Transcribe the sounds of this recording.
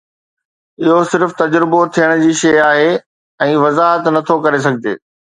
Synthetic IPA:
ɪɦosɪɾft̪ɐd͡ʑɾɪbot̪ʰijəɽ̃d͡ʑiːʃɐjaːɦe | ɛ̃ːʋɐzaːɦət̪nɐt̪ʰokɐɾes̬ɐɡʱɪd͡ʑḛː

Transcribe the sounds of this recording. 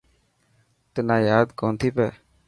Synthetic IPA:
t̪ɪnaːjaːd̪koːnt̪ʰiːpɛː

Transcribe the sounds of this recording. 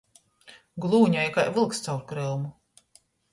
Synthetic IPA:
ɡlˠuːɲajkajvɨlˠkst̪sawɾkɾɛlˠmu

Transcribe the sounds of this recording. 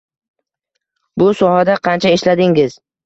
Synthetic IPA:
bʊsɒhad̪aqʰɑnt͡ʃʰaeʃlad̪ɪŋɪz̥

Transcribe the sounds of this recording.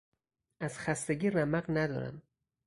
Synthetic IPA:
ʔæz̥xæst̪eɟiːræmæɢnæd̪ɒ̰ːɾæ̰m

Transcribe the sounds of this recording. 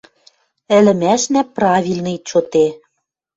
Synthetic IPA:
ɘ̆lɘ̆mæʃnæprɑβʲilʲnɤ̆it͡ɕot̪e

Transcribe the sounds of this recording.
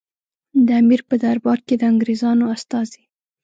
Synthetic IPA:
d̪əamiɾpəd̪aɾbɑɾ̚ked̪əaŋɡɾezɑnoast̪ɑzi

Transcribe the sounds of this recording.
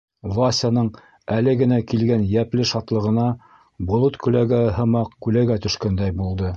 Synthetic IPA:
vasʲanɤɴ | ælɘɡɘ̆nækilɡænjæplɘʃɑt̪lˠɤ̆ʁɤ̆nɑ | bŏlˠɤt̪kʉlæɡæɦɤ̆mɑqkʉlæɡæt̪ɵ̆ʃkænd̪æjbulˠd̪ɤ

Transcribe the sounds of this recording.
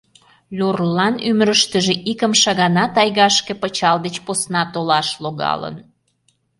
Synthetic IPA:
lʲurlɑnyməɾəʃt̪əʒĕʔikəmʃɑɣɑnɑt̪ɑjɣɑʃkepət͡ɕɑld̪et͡ɕposnɑt̪olɑʃloɣɑ̰lə̰n

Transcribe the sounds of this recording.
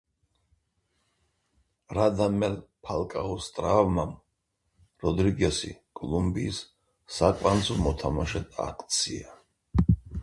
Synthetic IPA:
ɾad̪amɛlpʰalˠkʼaɔst̪ʼɾavmam | ɾɔd̪ɾiɡɛsḭkʼɔlˠumbiːsː | akʼand̪zɔmɔt̪ʰamaʃɛt̪ʰa̰kʰʼt̪sʰia

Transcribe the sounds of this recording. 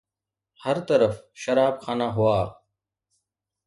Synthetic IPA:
hɐɾt̪ɐɾɐfʃɐɾaːbxaːnaɦʊwaː

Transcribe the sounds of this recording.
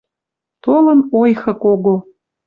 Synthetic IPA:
t̪olə̆nojxə̆koɣo

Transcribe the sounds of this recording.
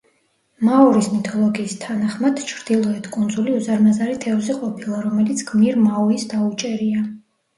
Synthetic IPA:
mauɾismit̪ʰɔlˠɔɡiːst̪ʰanaχmad̪̥t͡ʃʰɾd̪̥ilˠɔɛt̪ʰkʼund̪zuliuzaɾmazaɾit̪ʰɛvzɛqʼɔpʰilˠaɾɔmɛlit̪sʰɡ̥miɾmauisd̪aut͡ʃʼɛɾia

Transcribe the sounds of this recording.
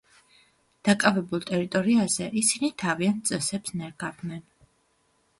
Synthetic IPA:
d̪̥akʼavɛbulˠt̪ʼɛɾit̪ʼɔɾiazɛʔisinit̪ʰaviant̪̚ʰt̪sʼɛsɛpsnɛɾɡavnɛn

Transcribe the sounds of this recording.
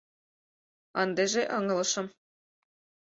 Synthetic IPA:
ɑnd̪ĕʒeʔɤ̆ŋɤ̆lˠɤ̆ʃɤ̆m

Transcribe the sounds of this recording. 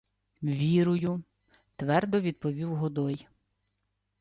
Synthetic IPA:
ʋʲiɾʊjʊ | t̪ʋɛrd̪ɔʋʲid̪̚pɔʋʲiwɦɔd̪ɔj

